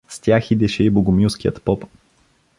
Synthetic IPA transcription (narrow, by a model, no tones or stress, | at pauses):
st̪ʲjaxid̪ɛʃɛiboɡomuwskiə̰t̪pɔp